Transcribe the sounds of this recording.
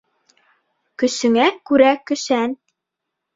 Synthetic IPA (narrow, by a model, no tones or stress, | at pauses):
kɵ̆sɵ̆ŋækʉɾækɵ̆ʃæn